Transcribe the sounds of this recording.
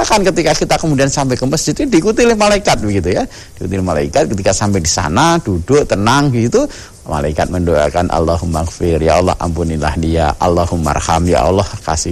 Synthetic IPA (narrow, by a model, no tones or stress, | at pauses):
akankət̪ikakit̪akəmudiansampɛkəməsd͡ʒɪt̪dikut̪ilɪhmalaikat̪̚bəɡit̪uja | dikut̪ilɪmalaikat̪̚kət̪ikasampɛdisa̰nad̥udʊʔt̪ənaŋɡit̪u | ma̰laikat̪̚məndoa̰kanʔa̰lːaɦumakfɪrjaɔlɔ̰ha̰mpunila̰hdia̰ʔa̰lːahuma̰rhamja̰ʔɔ̰lɔhka̰sɪ